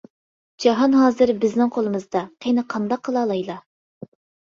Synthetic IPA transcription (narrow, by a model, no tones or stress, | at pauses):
d͡ʒɑɦɑnɦɑːzɨɾbɪznɪŋqʰolˠɨmɨzd̪ɑqʰenɨqʰɑnd̪ɑqʰːəlˠɑːlˠɑjlˠɑ